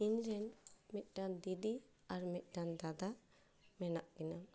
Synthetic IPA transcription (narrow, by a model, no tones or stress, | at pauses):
ind͡ʒɛnmit̪̚ˀɖand̪id̪i | aɾmit̪̚ˀʈand̪ad̪a | mɛnaʔkɛna